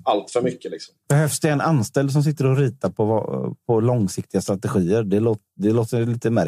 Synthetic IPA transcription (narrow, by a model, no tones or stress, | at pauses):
alt̪fœɾmʏkːəlɪksɔ̥mb̥ɛhøːfsd̪ɛɛnanst̪ɛld̪s̬ɔms̬ɪt̪ːəɾɔɾiːt̪aɾpʰɔv̰pʰɔlɔŋsɪkt̪ɪɡast̪ɾat̪ɛɧiːəɾɖɛloːt̪d̪ɛloːt̪əliːt̪əmæɾ